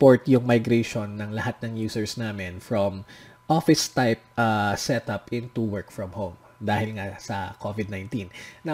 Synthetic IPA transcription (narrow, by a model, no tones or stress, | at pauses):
poɹt̪jʊŋmɐjɡɾɛʃonːɐŋlɐhat̪̚nɐŋjuːsɛɹsnaːmɛnfɹɔmʔofɪst̪ajp̚ʔɐsɛt̪ɐpʔɪ̃nt̪uwɛɹkfɹɔmhowm | d̪aːhɪlŋɐsɐkʰovɪd̪̚najnt̪ĩnnɐ